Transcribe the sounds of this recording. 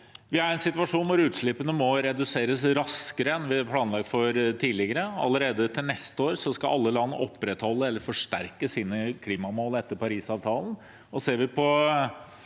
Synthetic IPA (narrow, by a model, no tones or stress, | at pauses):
ʋɪæɾɛnsɪt̪ʋɑʂuːnʋʊɾʉːt̪ʂɭɪpənəmɔɾɛd̪ʉseːɾəsɾɑskəɾəɛnːʋɪæpʰlɑːnlɑɡ̚t̪fɔɾt̪ʰiːlɪɡəɾəɑ̰lːəɾeːd̪ət̪ʰɪlnɛst̪əoːɾsɔskɑʔɑlːəlɑn̰ːɔpːɾɛt̪hɔlːəɛlːəɾfɔʂʈ̪æɾkəsiːnəkʰliːmɑmoːlɛt̪ːəɾpɑɾiːsɑːʋt̪ʰɑːln̩ | ɔseːɾʋɪpʰɔ